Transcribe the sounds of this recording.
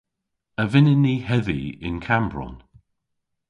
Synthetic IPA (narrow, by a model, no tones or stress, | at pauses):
əvɪnɪnihɛðḭɪ̰nkʰambɹɔ̰n